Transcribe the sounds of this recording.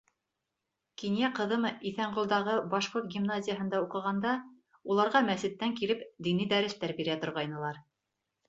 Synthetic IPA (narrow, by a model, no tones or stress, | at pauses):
kinjæqɤ̆ðɤmiθæɴʁulˠd̪ɑʁɤbɑʃqoɾt̪̚ɡʲimnazʲɪjəɦɤ̆nd̪ɑuqɤ̆ʁɑnd̪ɑ | ulˠɑɾʁɑmæsɘ̆t̪ːæŋkilɘpd̪inid̪æɾɘst̪æɾbiɾæt̪ŏɾʁɑjnɤ̆lˠɑɾ